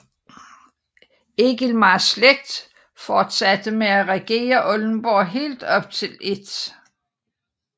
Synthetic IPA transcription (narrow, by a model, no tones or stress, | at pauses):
e̝ɡ̥ilmɑ̈sleɡ̥̚d̥ | fɒːd̥sæd̥əmeæʁɛɡ̥e̝̰ːɐʔɔln̩b̥ɔɦe̝̰ːld̥ɒ̽b̥̚t͡sʰe̝le̝d̥